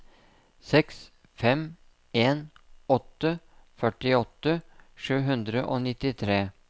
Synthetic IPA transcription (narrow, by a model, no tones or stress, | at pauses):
sɛks | fɛm | eːnɔt̪ːəfœʈɪɔt̪ːəʂʉːɦʉnd̪ɾəʔo̰ːnɪt̪ɪt̪ʰɾeː